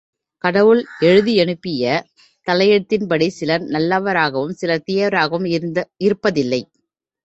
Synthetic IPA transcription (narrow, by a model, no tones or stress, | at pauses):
kɐɽɐʋɯɭɛɻɯðiɛɳɯpːɪjɐ | t̪ɐlɐjɛɽɯt̪ːɪnpɐɽisɪlɐɾnɐlːɐʋɐɾaːɣɐʋɯmsɪlɐt̪ɪjɐʋɾaːɣɐʋɯmɪɾɯpːɐðɪlːɐɪ